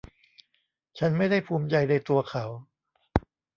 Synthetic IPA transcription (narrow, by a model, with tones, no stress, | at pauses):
t͡ɕʰa˦˥nma˥˩jda˥˩jpʰuː˧mt͡ɕa˧jna˧jt̪u˧ɐkʰa˩˦w